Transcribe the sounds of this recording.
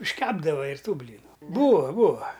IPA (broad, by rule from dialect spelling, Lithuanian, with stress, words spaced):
ɪʃʲˈkʲæːbdɐʋɐ ɪr ˈtuː ˈbʲlʲiːnʊ ˈbuːʋɐ ˈbuːʋɐ